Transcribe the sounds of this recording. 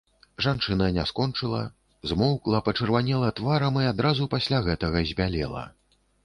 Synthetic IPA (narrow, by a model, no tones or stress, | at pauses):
ʐant͡ʂɨnɐnʲaskɔnt͡ʂɨlˠɐ̰ | zmɔwklˠɐpɐt͡ʂɨrvanʲɛlˠɐt̪vaɾɐmiad̪ɾazupasʲlʲaɣɛt̪ɐɣɐzʲbʲalʲɛ̰lˠɐ̰